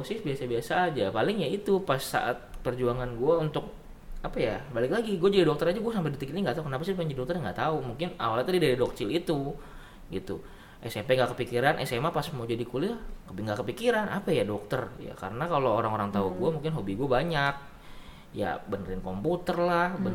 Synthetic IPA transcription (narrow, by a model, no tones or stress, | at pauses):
osɪsbiasabiasaːd͡ʒapalɪŋjait̪upasːa̰ʔa̰t̪̚pərd͡ʒuaŋanɡuaunt̪ʊk̚ | apajabalɪklaɡiɡuad͡ʒadidɔk̚t̪əɾad͡ʒuɡuasampɛdit̪ikit̪ɲaŋɡaʔt̪aukənapasidpaɲd͡ʒidɔkt̪ərɲŋɡaʔt̪aumuŋkɪna̰walit̪udidaɾidɔk̚t͡ʃɪlit̪u | ɡit̪u | ʔɛsɛmpɛŋɡaʔkəpikiɾanʔɛ̰sɛmapasmawd͡ʒadikulihobiŋɡaʔkəpikiɾanʔa̰pajadɔk̚t̪ərja̰ka̰ɾənakalooɾaŋoɾaŋt̪auɡuamuŋkɪnɦobiɡuabaɲak̚ | ja̰bənəɾɪnkomput̪ərlahbən